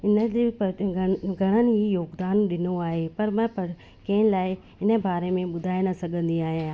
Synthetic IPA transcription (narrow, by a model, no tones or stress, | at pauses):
ɪnəd͡ʑeːpɐɡʱɐɽ̃ənɪ̆ɦijoːɡd̪aːnɗɪnoaːɦepɐɾmãpɐɾ | kɐ̃ɦɪ̃nɪlaːɪ | ɪnə̆baːɾemẽɓʊd̪ʱaːɪnɐsɐɡʱə̃nd̪iaːɦijããː